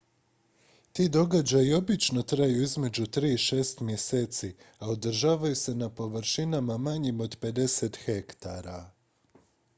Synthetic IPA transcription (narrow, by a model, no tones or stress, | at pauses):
t̪iːd̪o̞ɡad͡ʑajio̞bit͡ʃno̞t̪ɾajuizme̞d͡ʑut̪ɾiːiʃe̞ːst̪mje̞se̞ːt̪si | aod̪ɾ̩ʒaːʋajuse̞napo̞ʋɾʃinamamaɲimo̞d̪pe̞d̪e̞set̪xe̞kt̪aɾa